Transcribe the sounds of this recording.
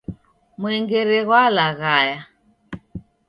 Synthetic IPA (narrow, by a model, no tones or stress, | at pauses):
mwɛŋɡɛɾɛɣwalaɣaja